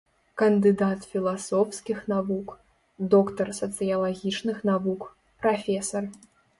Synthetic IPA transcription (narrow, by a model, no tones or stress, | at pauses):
kɐnd̪ɨd̪at̪fʲilˠasɔwskʲixnavuk | d̪ɔkt̪ɐrsɐt̪sɨjɐlˠaɣʲit͡ʂnɨxnavuk | pɾafʲɛsɐr